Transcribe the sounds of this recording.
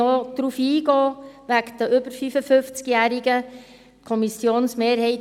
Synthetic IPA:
od̪̥ɾuːfiːɡɔːʋækd̪əʏb̥əɾfyfəfɵft͡skjæːɾiɡə | kʰɔmisjoːnsmeːɾhɛɪ

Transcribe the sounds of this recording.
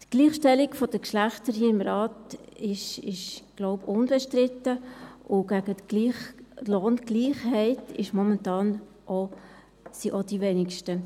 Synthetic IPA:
tɡ̥liːχʃtɛlɪkfɔd̥əkʃlæχtəɾɦiːɪmɾɑːtɪʃɪʃɡ̥loʊpʊnb̥ɛʃtɾɪtəʔʊɡ̥æɡətɡ̥liːχloːnɡ̥liːχhɛɪtɪʃmɔmɛntɑːn | ʔɔ | siʔɔd̥iʋɛnɪkʃtə

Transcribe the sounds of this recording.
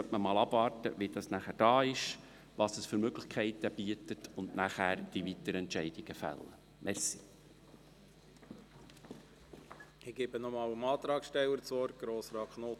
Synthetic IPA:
œtməmɑːlɑbvɑːrtəʋid̥ɑsnæχæɾd̥ɑːɪʃ | ʋɑːsəsfʏɾmøɡlɪχkʰɛɪtəb̥iətətʰʊndnæχæːɾd̥iʋit̪əɾɛntʃɛɪd̥iɡ̥əfæ̰lːə̰ | mʔɛrsi | ɪɡ̥ebənɔmɑːwəmɑːt̪ɾɑːksʃtɛwəɾt͡soːɾɡ̥ɾoːsɾɑːkχnoː

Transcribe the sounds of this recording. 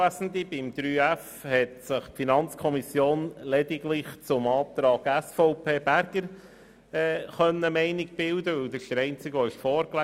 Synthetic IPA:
æsn̩d̪ibɪmd̪̥ɾyːæf | hɛtsɪχpfinɑnt͡skʰɔmisjoːnlɛdɪɡlɪχt͡sʊmɑːt̪ɾɑːɡæsfɔʊpʰeːb̥æɾɡəɾ | ɛːχœnːəmɛɪnɪɡ̚b̥ɪld̪əʋɵld̪ɪʃəɾɛɪnt͡sɪɡɔɪʃfɔːɾklæ

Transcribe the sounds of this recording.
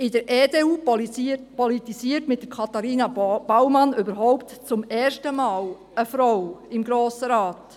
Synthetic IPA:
ɪdəɾʔeːdeːuːppɔlitisiːtmɪt̚d̥əkʰɑt̪ɑɾiːnɑb̥awmɑnøbəɾɦɔʊptt͡sʊmɛːrʃtəmaːl | əfɾɔwɪmɡɾoːsəɾaːt

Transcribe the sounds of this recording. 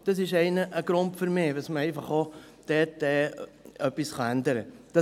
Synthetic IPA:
d̥ɑs̬ɪʃɛɪnəʔəɡ̥ɾʊntfʏɾmɪːʋəsməɛɪfɑχo | d̥ɛt̚d̥ɛœpːisχɑændəɾəd̥ɑ

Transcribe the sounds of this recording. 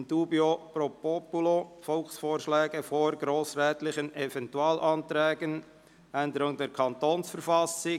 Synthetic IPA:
nd̥uːbiopɾopopulofɔlxsfoːɾʃlɛːɡəfoɾɡɾoːsɾɛːtlɪχənɛvɛntuɑːlʔɑnt̪ɾɛːɡən | ʔænd̪əɾʊŋdɛːɾkʰɑnt̪oːnsfəɾfɑsɪ

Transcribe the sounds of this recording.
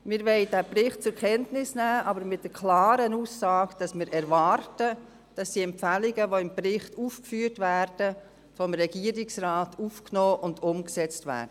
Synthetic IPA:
mɪɾʋɛɪdæpɾɪχt̚t͡sʊɾkʰɛntnɪsnæːʔɑbəɾmɪt̚d̥əɾkʰlɑːɾənuːsːɑːɡd̥ɑsmɪːɾʔɛɾʋɑrtə | d̥ɑsd̥iɛmpfælɪɡəʋoɪmprɪχtufkfyːɾtʋæːɾd̥ə | fɔmɾɛɡiəɾɪksrɑːtufknɔːʔʊndʊmksɛt͡stvæ̰ːɾd̥ə

